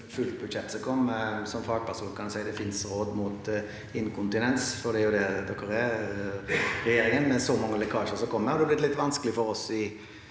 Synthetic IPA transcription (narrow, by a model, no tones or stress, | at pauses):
fʉlbʉd̪ʃɛt̪ːsɔkʰɔmːsɔmfɑːɡ̚pʰæʁsuːnkʰɑnd̪ʊsæɪd̪ɛfɪnsɾoːd̪muːt̪ | ɪnkʰʊnt̪ɪnɛnsfɔʁd̪ɛæɾjʊd̪ɛd̪ɔkːəɾɛ | ʁɛjeːɾɪŋənmɛsɔmɑŋːəlɛkʰɑːʃəʁsɔkʰɔmːəɔd̪ɛːblɪt̪lɪt̪ːʋɑnskəlɪfɔɾɔsɪ